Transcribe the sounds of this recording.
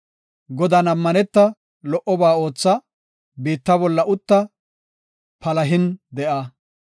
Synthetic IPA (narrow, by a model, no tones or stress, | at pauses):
ɡɔd̪ɐnɐmːɐnɛt̪ːɐ | lɔʔɔbaːo̞ːt͡sːɐ | biːt̪ːɐbɔlːɐʔʊt̪ːɐ | pɐlɐɦɪnd̪ɛʔɐ